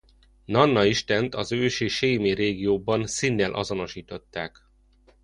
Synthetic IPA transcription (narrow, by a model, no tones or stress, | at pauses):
nɒnːɒiʃt̪ɛnt̪ɒzøːʃeːʃeːmereːɡijoːbɒnsinːɛlʔɒ̰zo̞no̞ʃiːt̪o̞t̪ːaːk